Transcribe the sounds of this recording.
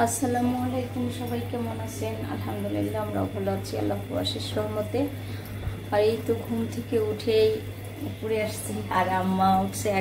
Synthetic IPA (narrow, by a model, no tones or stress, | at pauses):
ɐsɐlamualejkumʃɔbʱajkemonat͡ɕʰena̰lɦamd̪ulilːaamɾa̰bʱɔlat͡ɕʰia̰lːaɦua̰ʃiʃɾɔmot̪e | aɾejt̪oɡʱumt̪ʰekeuʈʰej | puɾeaʃt̪ʰiaɾamːauʈʰsʰe